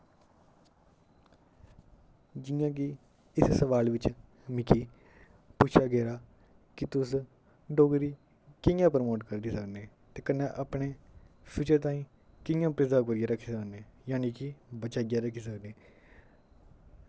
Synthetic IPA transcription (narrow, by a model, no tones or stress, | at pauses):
d͡ʒɪːãːk̬ɪ | ɪssəʋaːlʋɪt͡ʃ | mɪkiː | puːt͡ʃʰaːɡɛːɾaː | kɪt̪ʊs | ɖoːɡɾiː | kɪjãːpəɾmoːʈkəɾd̪iːsəkneː | t̪eːkənːẽːʔəpɳeː | pʰɪt͡ʃəɾt̪ãːĩː | kɪjãːpɾɪzaːkoːɾɪjãːɾəkʰːiːsəkneːjaːniːkɪbət͡ʃaːɡjãːɾəkʰiːs̬əkneː